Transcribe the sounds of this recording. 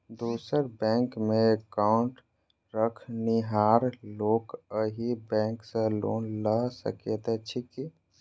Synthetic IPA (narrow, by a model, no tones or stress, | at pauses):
d̪usəɾbɛ̃ŋkmeekaʊɳʈ | ɾəkʰniɦaːɾloːkəɦibɛ̃ŋksə̃lo̰ːnləsə̰kjət̪ɛt͡ʃʰiki